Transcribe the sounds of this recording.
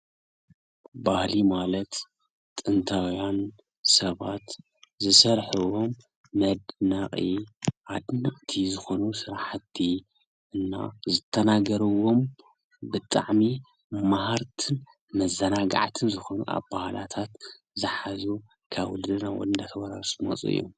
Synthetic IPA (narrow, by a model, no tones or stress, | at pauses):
bahlimalɐt̪ | t̪ʼɨnt̪ʰawjan | sɐβat̪ | zɨsɐɾħuwomː | ɐd̪naχʼḭʔad̪nɨʔʼt̪ʰizɨxo̞nusɨɾħat̪ʰːi | ʔɨnːa̰zɨt̪ʰːɐnaɡɐɾɨwo̞m | bɨt̪ʼa̰ʕmi | maɦaɾt̪ʰɨn | mɐzːɐnaɡa̰ʕt̪ʰɨnzɨxo̞nṵʔa̰βbahalat̪ʰat̪ | zɨħazu | kʰaβɨld̪ɨnawɔ̰ɨnd̪at̪ʰɐβaɾaɾsmo̰t͡sʼṵɨ̰jːo̰m